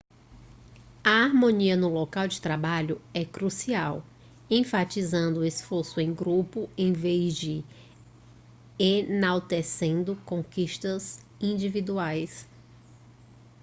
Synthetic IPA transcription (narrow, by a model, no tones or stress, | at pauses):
ɐaɾmõniɐnʊlokawd͡ʒɪt̪ɾabaʎʊɛkɾusiaw | ẽfat͡ʃizɐ̃nd̪ʊesfoɾsʊẽj̃ɡɾupʊẽj̃vezd͡ʒɪ | enawt̪esẽnd̪ʊkõkiʃt̪ɐz | ĩd͡ʒivid̪uajs